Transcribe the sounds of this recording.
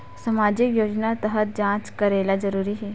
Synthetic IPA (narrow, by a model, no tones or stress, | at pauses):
səmad͡ʑikjoːd͡ʒnat̪əɦət̪̚d͡ʒãːt͡ʃkəɾelad͡zəɾuːɾiɦɛ